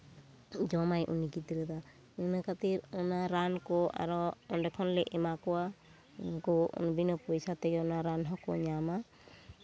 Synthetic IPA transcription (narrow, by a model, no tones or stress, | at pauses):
d͡ʒɔmajʔṵnikit̪ɾəd̪a | nɯnəkat̪iɾɔnaɾankɔa̰ɾɔɔnɖɛkʰɔnlɛʔɛmakɔwa | ɡɔ̰nbinɔpɔjsat̪ɛɡɔnaɾanɦɔkɔ̰ɲama